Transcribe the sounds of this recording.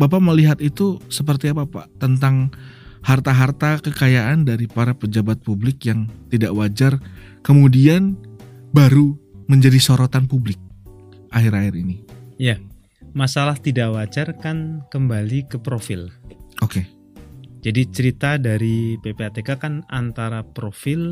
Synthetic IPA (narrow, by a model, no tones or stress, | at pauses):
bap̬aməliɦat̪it̪usəp̬ərt̪iapapa̰t̪ənt̪aŋhart̪aɦart̪akəkajaʔandaɾipaɾapəd͡ʒabat̪̚publɪkjaŋt̪idaʔwad͡ʒarkəmudian | baɾuməɲd͡ʒadisoɾot̪anpublɪk̚ | ʔaɦɪɾaɪɾinija | masalaht̪idaʔwad͡ʒarkankəmbalikəpɾofɪlʔoke | d͡ʒadit͡ʃəɾit̪adaɾipepeat̪ekakanant̪aɾapɾofɪl